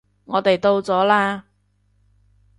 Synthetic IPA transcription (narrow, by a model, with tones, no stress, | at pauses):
ŋɔː˨˧t̪e˨jt̪o˧wt͡sɔː˨˥laː˧